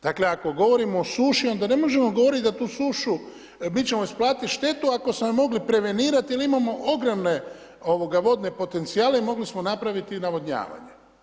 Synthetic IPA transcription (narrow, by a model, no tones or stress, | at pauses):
d̪̥akle̞ako̞ɡo̞ʋo̞ɾimoːsuːʃio̞nd̪ane̞mo̞ʒe̞mo̞ɡo̞ʋo̞ɾit̪̚d̪at̪uːsuːʃu | mit͡ɕe̞mo̞isplaːt̪it̪ʃt̪e̞t̪uako̞smomo̞ɡlipɾe̞ʋe̞niːɾat̪iilimamo̞ʔoɡɾomne̞ | o̞ʋo̞ɡaʋo̞d̪ne̞po̞t̪e̞nt̪siaːleimo̞ɡlismo̞napɾaʋit̪inaʋod̪ɲa̰ːʋa̰ɲe